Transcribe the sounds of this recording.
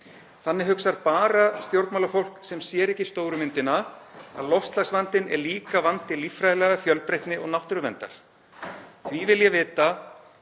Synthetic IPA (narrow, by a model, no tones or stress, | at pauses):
θanːɪɦʏksaɾpaːɾast̪jowɾt̪nmawlafowl̥ksɛmsjɛːɾɛhcɪst̪oːwɾʏmɪnt̪ɪnaa̰ðlɔfst̪lasvant̪ɪnɛ̰ɾliːkavant̪ɪlifɾajlɛɣafjœlpɾejht̪nɪʔɔɣnawht̪ʏɾʏvɛnt̪a̰ɾ̥ | θvivɪljɛvɪːt̪a